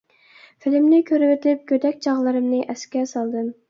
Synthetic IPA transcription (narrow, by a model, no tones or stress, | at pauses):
fɪlɪmnɪkʲʰøɾɪwɪt̪ʰɪlɪp̚kʲød̪ɛkʲt͡ʃʰɑʁlˠɨɾɨmnɨʔɛskʲɛɾsɑlˠd̪ɨm